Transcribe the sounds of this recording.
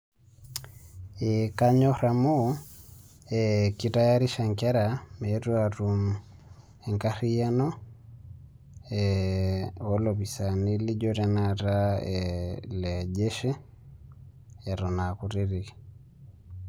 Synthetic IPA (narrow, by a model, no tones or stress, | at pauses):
ikaɲɔɾamu | ɛkitajaɾiʃaŋkɛɾamɛɾuaɾumu | ɛŋkaɾijanɔ | ɛ | ɔlɔβisaniliɟɔɾɛnaɾaɛlɛd͡ʒɛʃɛ | ɛɾɔnakuɾiɾiki̥